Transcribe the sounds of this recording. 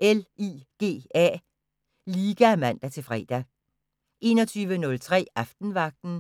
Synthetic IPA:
ʔeliːɡ̥e̝̰ːæ̰ː | liːɡ̥æmæn̰d̥æt͡sʰe̝lfʁɛ̰ːd̥æ | ʔe̝̰ːnɒt͡sʰyːʋənɔ̽lt͡sʰʁɛ̰ːʔɑfd̥n̩ʋɑ̈ɡ̥̚d̥n̩

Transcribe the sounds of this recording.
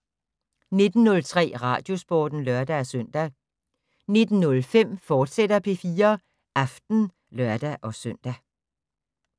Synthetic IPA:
ne̝d̥n̩ːɔ̽lt͡sʰʁɛ̰ːʁɑ̰̈ːd̥jo̝sb̥ɒ̰ːd̥n̩lɶɐd̥ææsœn̰d̥æ | ne̝d̥n̩nɔ̽lfem̰fɒːd̥sed̥ɐpʰe̝fiːɐ | ʔɑfd̥n̩ | lɶɐd̥æʔɒ̽sœn̰d̥æ

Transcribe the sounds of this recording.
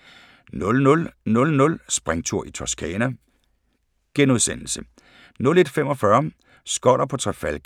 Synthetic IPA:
nɔlɔlnɔ̽lnɔ̽lsb̥ʁaŋt͡sʰuɐ̰ʔit͡sʰɒskʰɛːnæ | ɡ̥enuð̞ˠsen̰l̩sə | nɔ̽le̝d̥fem̰ɒ̽fɶɐ | sɡ̥ɒɾ̥ɐpʰɒ̽t͡sʰʁafælɡ̥

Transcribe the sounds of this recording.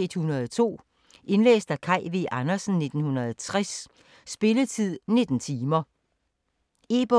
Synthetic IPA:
ed̥hunɐðˠt͡sʰo̝̰ː | ʔe̝nlḛːsd̥ækʰɑ̈ɪ̰ʋiʔɑnɐsn̩ne̝d̥n̩hunɐðˠt͡sʰʁas | sb̥e̝lət͡sʰið̞̰ˠne̝d̥n̩t͡sʰiːmɐ | e̝ːb̥ɒ

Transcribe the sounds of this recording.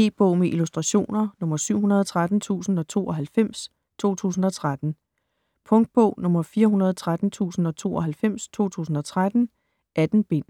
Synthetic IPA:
e̝̰ːb̥ɔʊ̰meʔilusd̥ʁɑ̈ɕo̝̰ːnɐnɔ̽mɐsyʊ̰ɦunɐð̞ˠɒt͡sʰʁad̥n̩t͡sʰṵːsn̩ɒ̽t͡sʰo̝̰ːɒ̽ɦælfem̰s | t͡sʰo̝̰ːt͡sʰṵːsn̩ɒ̽t͡sʰʁad̥n̩ | pʰɔ̽ŋd̥̚b̥ɔʊ̰nɔ̽mɐfiːɐɦunɐð̞ˠɒt͡sʰʁad̥n̩t͡sʰṵːsn̩ɒ̽t͡sʰo̝̰ːɒ̽ɦælfem̰st͡sʰo̝̰ːt͡sʰṵːsn̩ɒ̽t͡sʰʁad̥n̩ | ʔæd̥n̩b̥e̝n̰

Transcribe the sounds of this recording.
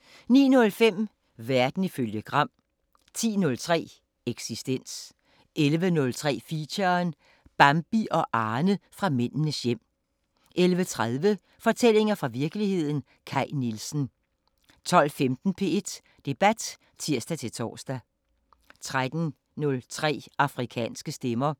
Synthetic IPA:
nḭːnɔ̽lfem̰ | ʋæɐd̥n̩iføljəɡ̥ʁɑ̈m̰ | t͡sʰḭːnɔ̽lt͡sʰʁɛ̰ː | eɡ̥sisd̥en̰s | ʔelʋənɔ̽lt͡sʰʁɛ̰ːfiɕɐn | b̥ɑ̈mb̥iʔɒ̽ʔɑ̈ːnəfʁɑ̈men̰nəsjem̰ | ʔelʋət͡sʰʁaðˠʋə | fɒ̽t͡sʰel̰e̝ŋɐfʁɑ̈ʋiɐɡ̥əlihe̝ð̰ˠn̩ | kʰɑ̈ɪnilsn̩ | t͡sʰɒ̽l̰femd̥n̩pʰe̝e̝d̥ | d̥e̝b̥æd̥ | t͡sʰiɐ̰sd̥æt͡sʰe̝lt͡sʰɒ̰ːsd̥æ | t͡sʰʁad̥n̩ | nɔ̽lt͡sʰʁɛ̰ːɑ̈fʁikʰɛ̰ːnsɡ̥əsd̥emɐ

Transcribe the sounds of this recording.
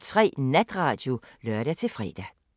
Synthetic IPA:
t͡sʰʁɛ̰ːnæd̥ʁɑ̈ːd̥jo̝ | lœɐɾ̥æt͡sʰe̝lfʁɛ̰ːd̥æ

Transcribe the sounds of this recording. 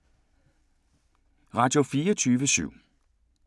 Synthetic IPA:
ʁɑ̈ːd̥jo̝fiːɔt͡sʰyːʋəsy̰ʊ̰

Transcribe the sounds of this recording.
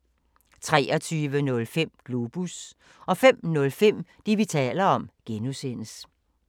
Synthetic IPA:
t͡sʰʁɛːɒt͡sʰyːʋənɔ̽lfem̰ɡ̥lub̥us | ɒ̽fem̰nɔ̽lfem̰d̥iʋit͡sʰɛ̰ːlɐɒ̽mɡ̥enusen̰əs

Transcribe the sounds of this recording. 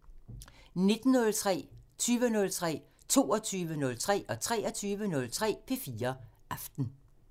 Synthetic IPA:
ne̝d̥n̩nɔ̽lt͡sʰʁɛ̰ːt͡sʰyːʋənɔ̽lt͡sʰʁɛ̰ː | t͡sʰo̝ːɒt͡sʰyːʋənɔ̽lt͡sʰʁɛ̰ːʔɒ̽t͡sʰʁɛːɐt͡sʰyːʋənɔ̽lt͡sʰʁɛ̰ːpʰe̝fiːɐʔɑfd̥n̩

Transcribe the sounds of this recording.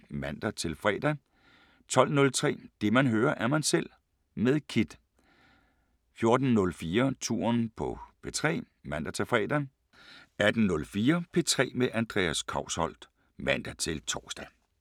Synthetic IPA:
mæn̰d̥æt͡sʰe̝lfʁɛ̰ːd̥æ | t͡sʰɒ̽l̰nɔ̽lt͡sʰʁɛ̰ːd̥e̝mænɦøːɐʔæɐmænsel̰ | meðˠkʰid̥ | fjo̝ɐd̥n̩ːɔ̽lfiːɐt͡sʰṵːɐ̰npʰɒ̽pʰe̝t͡sʰʁɛ̰ː | mæn̰d̥æt͡sʰe̝lfʁɛ̰ːd̥æ | æd̥n̩nɔ̽lfiːɐpʰe̝t͡sʰʁɛ̰ːmeʔænd̥ʁɛ̰ːæskʰɑ̈ʊ̰shɒ̽l̰d̥ | mæn̰d̥æt͡sʰe̝lt͡sʰɒːsd̥æ

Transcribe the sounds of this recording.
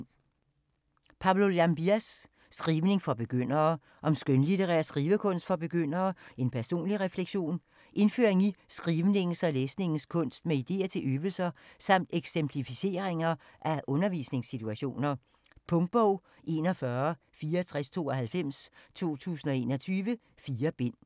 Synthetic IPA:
pʰɑ̈ʊlolæmb̥iæsː | ɡ̥ʁiːʊne̝ŋfɒb̥e̝ɡ̥øn̰ɐː | ʔɒ̽msɡ̥ønlit͡seʁɛ̰ɐsɡ̥ʁiːʋəkʰɔ̽n̰sd̥fɒ̽b̥e̝ɡ̥øn̰ɐːe̝npʰæɐso̝̰ːnliʁɛfleɡ̥ɕo̝̰ːn | ʔe̝nfø̰ːɐe̝ŋisɡ̥ʁiːʋne̝ŋn̩sɒ̽leːsne̝ŋn̩skʰɔ̽n̰sd̥meid̥e̝̰ːɐt͡sʰe̝lʔøːb̥l̩sɐsɑ̈m̰d̥eɡ̥sempʰlifise̝̰ɐeŋɐ | ʔæʔɔ̽nɐʋḭːsne̝ŋsit͡sʰuæɕo̝̰ːnɐ | pʰɔ̽ŋd̥̚b̥ɔʊ̰ | ʔe̝ːnɒfɶɐ | fiːɐt͡sʰʁɛst͡sʰo̝̰ːɒhælfem̰st͡sʰo̝̰ːt͡sʰṵːsn̩ɒ̽e̝ːnɒ̽t͡sʰyːʋə | fiːɐb̥e̝n̰

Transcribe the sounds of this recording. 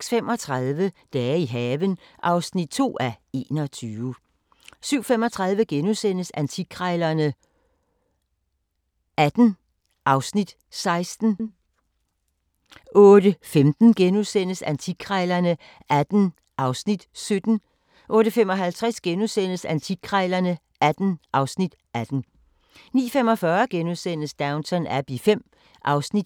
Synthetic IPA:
sfem̰ɒ̽t͡sʰʁɑðˠʋəd̥ɛːiɦɛːʋən | ʔɑ̈ʊsnid̥̚t͡sʰo̝̰ːæe̝ːnɒ̽t͡sʰyːʋə | syʊ̰fem̰ɒ̽t͡sʰʁɑ̈ð̞ˠʋəɡ̥enusen̰əsænt͡sʰiɡʰʁaɪlɐnə | æd̥n̩ | ʔɑ̈ʊsnid̥ | sɑ̈ɪsd̥n̩ | ʔɔ̽ːɾ̥əfemd̥n̩ɡ̥enuðˠsen̰əsænt͡sʰiɡʰʁɑɪlɐnə | ʔæd̥n̩ | ʔɑ̈ʊsnid̥sød̥n̩ | ʔɔ̽ːɾəfemɒ̽ɦælt͡sʰʁasɡ̥enusen̰əsænt͡sʰiɡ̥ʰʁɑɪlɐnə | ʔæd̥n̩ʔɑ̈ʊsnid̥ʔæd̥n̩ | nḭːfem̰ɒ̽fɶɐɡ̥enusen̰əsd̥ɑ̈ʊnsʰɒnæb̥ifem̰ | ʔɑ̈ʊsnid̥

